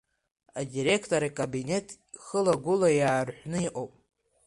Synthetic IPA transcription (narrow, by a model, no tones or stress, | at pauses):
adiɾe̞kʰtʰʼoɾaikʼabine̞tʰ | χəlaɡʷʊlajaːrħʷnɨiʔʼowpʼ